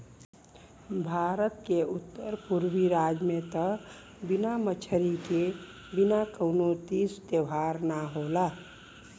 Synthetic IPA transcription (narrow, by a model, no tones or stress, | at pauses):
bʱaɾət̪keut̪ːəɾpuɾbiɾad͡ʒmet̪ə | binamət͡ʃʰəɾike | binakəʊnot̪ist̪eʋʱaɾnaɦola